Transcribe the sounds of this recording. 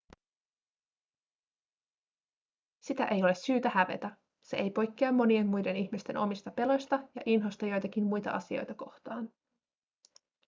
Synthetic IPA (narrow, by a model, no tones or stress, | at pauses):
sit̪æ̰ʔe̞jo̞le̞syːt̪æhæʋe̞̰t̪æ | se̞̰ʔejpo̞jkːiɑmːo̞nie̞nːmujde̞niçmist̪e̞nʔo̞mist̪ɑpe̞lo̞jst̪ɑjɑ̰ʔinɦo̞st̪ɑjo̞jt̪ɑkinmujt̪ɑ̰ʔɑ̰sio̞̰jt̪ɑko̞xt̪ɑːn